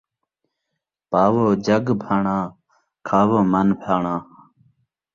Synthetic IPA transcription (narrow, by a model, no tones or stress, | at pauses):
paːwoːd͡ʑɐɡbʰʱaːɳãː | kʰaːʋoːmɐnpʰaːɳãː